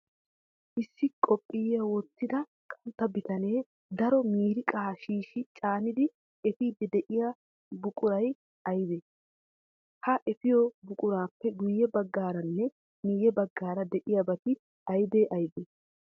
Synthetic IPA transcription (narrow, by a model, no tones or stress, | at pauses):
ʔɪsːɪkʼɔpʼːɪjɐwɔt̪ːɪd̪ɐ | kʼɐnt̪ːɐbɪt̪ɐneː | d̪ɐɾɔmiːɾɪkʼaːʃiːʃɪt͡ʃʼaːnɪd̪ɪ | ɛfɪːd̪ɪd̪ɛʔɪjɐ | bʊkʼʊɾɐj | ʔɐjɪd̪eː | hɐʔɛfɪjɔbʊkʼʊɾaːpːɛɡʊjːɛbɐɡːaːɾɐnːɛ | nijɛbɐɡːaːɾɐd̪ɛʔɪjɐbɐt̪ɪ | ɐjd̪eːʔɐjd̪e